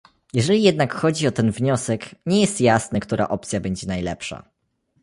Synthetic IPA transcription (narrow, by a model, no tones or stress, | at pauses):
jɛʐɛlʲijɛd̪nakxɔd͡ʑiɔt̪ɛnvɲɔsɛkɲɛjɛst̪jasnɛkt̪uɾʔa̰ʔɔp̚t̪sʲjabɛɲd͡ʑɛnajlɛ̰pʂa̰